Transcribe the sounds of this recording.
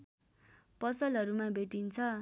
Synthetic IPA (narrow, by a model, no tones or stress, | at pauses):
pʌsʌlɦʌɾumabeʈint͡sʰʌ